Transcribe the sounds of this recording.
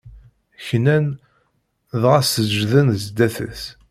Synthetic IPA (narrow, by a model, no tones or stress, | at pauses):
çnæn | ðʁæsəd͡ʒðənzd̪æθə̰θ